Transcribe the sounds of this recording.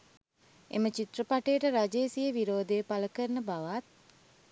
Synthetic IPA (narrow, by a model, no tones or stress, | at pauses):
ḛmət͡ʃit̪rəpaʈejːʈəɾad͡ʒeːsijəʋiɾoːd̪eːpaləkəɾnəbaʋat̪̚